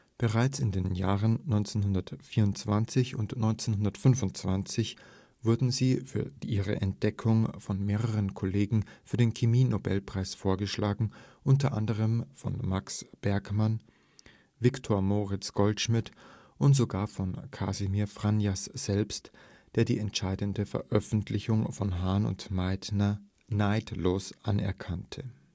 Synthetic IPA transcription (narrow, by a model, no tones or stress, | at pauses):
b̥əʁaɪt͡sɪndeːnjaːʁənnɔʏnt͡senɦʊndɐtfiːɐʊntt͡sv̥ant͡sɪçʊ̰ntnɔʏnt͡senhʊndɐtfʏnvʊntt͡sv̥ant͡sɪç | v̥ʊɐdn̩ziːfyːɐʔiːʁə̰ʔɛ̰nt̚d̥ɛkʰʊŋfɔnmeːʁəʁənkʰoleːɡŋ̩fyːɐdeːnkʰemiːnobɛlpʁ̥aɪsfoːɐɡəʃlaːɡŋ̩ʔʊnt̬ɐʔa̰ndəʁ̞əmfɔ̰nmaksb̥ɛɐkman | vɪktʰoːɐmoʁɪt͡sɡ̥ɔltʃmɪt | ʔʊntz̥oɡaːɐfɔnkʰa̰zimiːɐfʁ̥anjasz̥ɛlpst | d̥eːɐdiːɛntʃaɪdəndəfɛ̰ɐʔœfn̩tʰlɪçʊŋfɔnɦaːnʊ̰ntanɐ | naɪtloːsʔanɛ̰ɐkʰantʰə